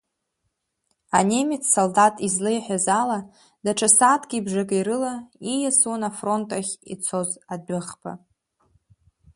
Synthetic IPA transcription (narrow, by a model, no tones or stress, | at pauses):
anʲe̞mitʰsoldatʼizlɨjħᶣazala | d̥aʈ͡ʂʰasatʼɡʲibʐakʼajɾɨlaijaswanafro̞ntʼaχʲḭt͡sʰo̞zadbɨχbʰa̰